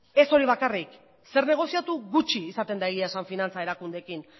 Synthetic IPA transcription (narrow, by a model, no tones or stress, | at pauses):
e̞so̞ɾiβ̞akarik | se̞ɾne̞ɣ̞o̞siat̪uɣut͡ʃiːsat̪e̞nd̪aeɣiasaɱfinant͡sae̞ɾakund̪e̞kin